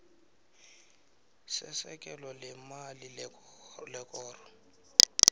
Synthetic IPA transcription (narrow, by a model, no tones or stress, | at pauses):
sɛ̰sɛkʼɛlɔlɛmali | lɛkʼɔːrɔ